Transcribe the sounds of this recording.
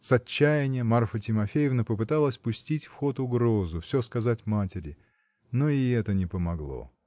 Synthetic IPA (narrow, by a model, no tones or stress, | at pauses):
sɐt͡ɕːæjɪnʲɪjəmarfətʲɪmɐfʲejɪvnəpəpɨt̪alˠəsʲpʊsʲtʲitʲfxo̞t̪ʊɡɾo̞zʊfsʲɵskɐzatʲmatʲɪɾʲɪ | noɪɛt̪ənʲɪpəmɐɡlˠo̰